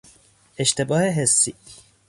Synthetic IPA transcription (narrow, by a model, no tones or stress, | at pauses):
eʃt̪ʰe̞bɒːheɦesːiː